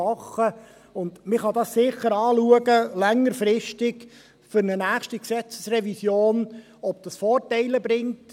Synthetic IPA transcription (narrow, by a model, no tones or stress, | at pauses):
ɑχːə | ʊnd̪mɪχɑdɑssɪχəɾɑːluəɡəlɛŋːəɾfɾɪʃtɪɡ | fʏɾnənæːχʃtiksɛt͡sə̥srɛvisjoːn | ɔb̥̚d̥ɑsfɔːrtɛɪləbɾɪŋt